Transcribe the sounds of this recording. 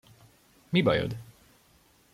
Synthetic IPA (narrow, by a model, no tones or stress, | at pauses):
mibɒjø̰d̪